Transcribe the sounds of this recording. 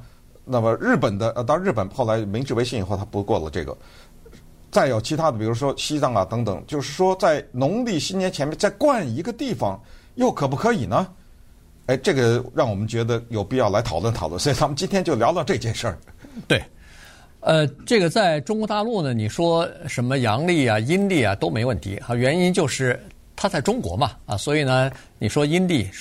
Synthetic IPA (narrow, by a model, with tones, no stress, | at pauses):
na˥˩mə˩ɻɻ̩˥˩pə˨˩nd̪ə˦ʔə˧t̪̬ɑ˥˧ɻ̩˥˩pə˨˩nxo˥˩ʊla˧˥ɪmi˧˥ŋʈ͡ʂɻ̩˥˩we˧˥ɪɕi˥˩i˨˩xo˥˩t̪ʰa˥pu˧˥kwɔ˥˩lə̰˩ʈ͡ʂɤ˥˩ɡə̰˩ | t͡sa˥˩ɪjo˨˩ʊt͡ɕʰi˧˥t̪ʰa˥d̪ə˩pi˨˩ɻu˧˥ʂwɔ˥ɕi˥t͡sɑ˥˩ŋɐ˨˩t̪ɤ˧˥ŋt̪ɤ˨˩˦ŋt͡ɕjo˥˧ʊʂɻ̩˥˩ʂwɔ˥t͡sa˥˩ɪnʊ˧˥ŋli˥˩ɕi˥njɛ˥nt͡ɕʰɛ˧˥nmjɛ˥nt͡sa˥˧ɪkwa˥˩ni˧˥ɡə˧t̪i˥˩fɑ˨˩ŋ | jo˥˩ʊkʰɤ˨˩p̬u˥kʰɤ˧˥i˨˩nə˦ | e˥ɪʈ͡ʂɤ˥˩ɡə˩ɻɑ˥˩ŋwɔ˨˩mə˦nt͡ɕɥɛ˧˥d̪ə˧jo˨˩ʊpi˥˧jɑ˥˩ʊla˧˥ɪt̪ʰɑ˨˩lwə˥˩nt̪ʰɑ˨˩lwə̰˥˩nsɔ˧˥i˨˩t̪ʰa˥mə˧t͡ɕi˥nt̪ʰjɛ˥nt͡ɕjo˥˩ʊljɑ˧˥t̪ɑ˥˧ʊʈ͡ʂɤ˥˧i˧t͡ɕjɛ˥˧nʂə˞˥˩t̪we˥˩ɪ | ə˧ʈ͡ʂɤ˥˩ɡə˩t͡sa˥˩ɪʈ͡ʂʊ˥ŋkwɔ˧˥t̪a˥˧lu˥˩nə˩ni˨˩ʂwɔ˥ʂə˧˥nmə˧jɑ˧˥ŋli˥˩ɐ˩i˥nli˥˩ɐ˩t̪o˥ʊme˧˥ɪ˧wə˥˩nt̪ʰḭ˧˥xa˧˩ɥɛ˧˥ni˥nt͡ɕjo˥˧ʊʂɻ̩˥˩ | t̪ʰa˥t͡sa˥˩ɪʈ͡ʂʊ˥ŋkwɔ̰˧˥mɐ˧ɐ̰˨swɔ˧˥i˨˩nə˦ | ni˨˩ʂwɔ˥i˥nli˥˩